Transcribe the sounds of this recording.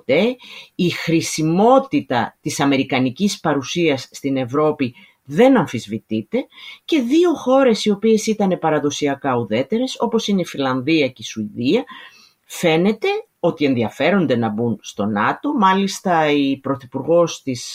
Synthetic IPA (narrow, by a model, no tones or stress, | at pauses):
t̪e̞ixɾisimo̞t̪it̪ɐ̰t̪isɐme̞ɾikɐnicispɐɾusiɐsːt̪ine̞vɾo̞pi | ðe̞nɐɱfizvit̪it̪e̞ce̞ðio̞xo̞ɾe̞sio̞pie̞sit̪ɐne̞pɐɾɐðo̞siɐkɐuðe̞t̪e̞ɾe̞so̞po̞sine̞ifilɐnðiɐcisuiðiɐ | fe̞ne̞t̪e̞ | o̞t̪ie̞nðiɐfe̞ɾo̞nd̪e̞nɐbunst̪o̞nɐt̪o̞mɐlist̪ɐipɾo̞θipuɾɣo̞st̪is